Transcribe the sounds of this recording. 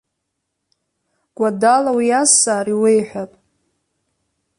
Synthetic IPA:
ɡ̥ʷadalawiasaːɾiwejħʷᶣapʼ

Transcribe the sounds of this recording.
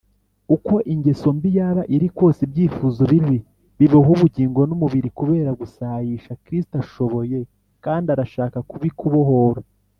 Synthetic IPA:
uko̞ʔiɲɟe̞so̞mbijaːβaʔiɾikwo̞ːsebɟiːfuːzoβiɾwi | βiβoɦuβuɟiːŋɡo̞numuβiɾikuβe̞ːɾaɡusajiʃakɾis̬i̥taʃo̞βo̞je̞ | kaːndiaɾaʃaːkakuβikuβo̞ɦo̞ːɾo

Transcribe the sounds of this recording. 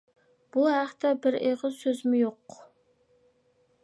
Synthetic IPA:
b̥uɦæχt̪ʰɛbɪɾeʁəzsøzmɪjoq

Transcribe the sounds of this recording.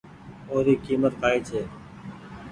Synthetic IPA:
oːɾiːkiːmət̪kʰaːiːt͡ʃʰeː

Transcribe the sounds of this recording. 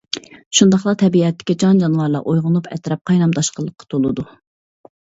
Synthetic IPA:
ʃund̪ɑχlˠɑt̪ʰɛbiɛt̪ːɪ̥kʲid͡ʒɑnd͡ʒɑnwɑɾlˠɑ̰ʔojʁʊnupʰɛ̰t̪ɾɛp̚qʰɑjnɑmd̪ɑʃqəlˠːəqːɑ̥t̪ʰolˠɨd̪u

